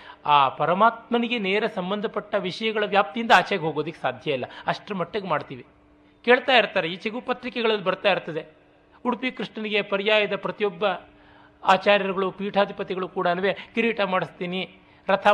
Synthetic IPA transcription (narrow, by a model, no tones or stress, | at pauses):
aːpɐɾɐmaːt̪̚mɐniɡeneːɾɐsɐmbɐnd̪ʱɐpɐʈːɐʋiʂɐjɐɡɐɭɐʋjaːp̚t̪ijind̪ɐaːt͡ʃeɡeɦo̞ːɡoːd̪ɐkːesaːd̪ʱjɐilːɐ̰ɐʂʈɾɐmɐʈːɐɡemaːɽt̪iːʋi | ke̞ːɭt̪aːjiɾt̪aːɾeit͡ʃeɡupɐt̪ɾikɛɡɐɭɐlːibɐɾt̪aːjiɾt̪ːɐd̪e̞ | uɽpikɾiʂɳɐniɡe̞pɐɾijaːjɐd̪ɐpɾɐt̪ijɔbːɐ | aːt͡ʃaːɾjɐɾɐɡɐɭupiːʈʰaːd̪ʱipɐt̪iɡɐɭukuːɽɐɐnʋekiɾiːʈamaːɽist̪iːni | ɾɐt̪ʰɐ